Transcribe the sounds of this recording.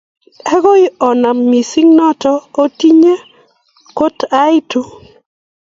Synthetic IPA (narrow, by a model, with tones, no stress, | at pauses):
ɛ˦ɡɔ˦ɪ˦ɔ˨na˨mːi˨sɪ˦ŋnɔ˦tɔ˦o˦ti˦ɲe˦ | ko˦ta˦ɪ˦to˨